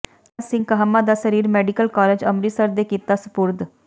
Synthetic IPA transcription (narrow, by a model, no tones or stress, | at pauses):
ɾsɪ̃ŋɡkəɦəmːaːd̪aːsəɾiːɾmɛːɖɪkəlkaːleːd͡ʒəmɾiːsəɾd̪eːkiːt̪aːsʊ̥pʊɾd̪